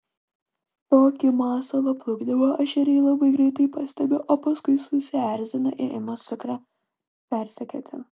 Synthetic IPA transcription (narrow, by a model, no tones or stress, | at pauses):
t̪oːkʲɪmɑːsɐlˠɐplˠʊɡd̪ɐʋoːʔɐʃɪɾʲɛɪlˠɐbɐɪɡɾʲɛɪt̪ɐɪpɐsʲt̪ʲɛbʲɛʔoːpɐskʊɪsʊsʲɪæˑɾʲzʲɪnɐʔɪ̰ɾʔɪ̰mɐsʊkɾʲɛ | pʲæˑɾʲsʲɛkʲoːt̪ʲɪ